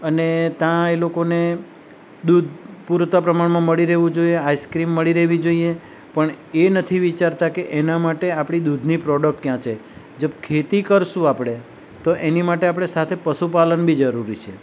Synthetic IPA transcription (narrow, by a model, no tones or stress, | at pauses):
ənet̪jãelokone | d̪ud̪̚ʱpuɾt̪apɾəmaɳmãməɭiɾeɦʋũd͡ʒoieajskɾimːəɭiɾeɦʋid͡ʒoie | pəɳ | enət̪ʰiʋit͡ʃaɾt̪akeʔenamaʈeapɽ̃id̪ud̪ʱnipɾɔɖək̚ʈkjãt͡ʃʰe | d͡ʒəbkʰet̪ikəɾʃũapɽ̃e | t̪oʔenimaʈeapɽ̃esat̪ʰepəʃupalənbid͡ʒəɾuɾit͡ʃʰe